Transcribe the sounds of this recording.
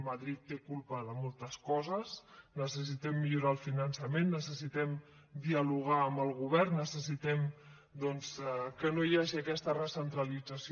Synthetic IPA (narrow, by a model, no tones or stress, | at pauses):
məðɾit̪ːekulˠpəðəmolˠt̪əskɔzəsnəsəs̬it̪ɛmːiʎuɾaəlˠfinənsəmenːəsəsit̪ɛm | d̪iəluɣ̞aəmbəlˠɣuβ̞ɛrnːəsəsit̪ɛm | d̪ɔnskənojaʒiəkɛst̪ərəsənt̪ɾəlid͡zəsi